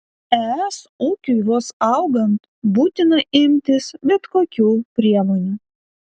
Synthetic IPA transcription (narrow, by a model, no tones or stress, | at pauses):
ɛɛsuːkʲujoːsɑʊɡɐnt̪ | buːt̪ʲɪnɐʔɪmʲt̪ʲɪsbʲɛt̪koːkʲuːpʲɾʲiɛmoːnʲuː